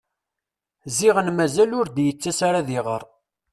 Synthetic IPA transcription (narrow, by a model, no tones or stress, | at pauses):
ziʁənmæzælʊɾd̪jət͡sːæsaɾaðiʁəɾˤ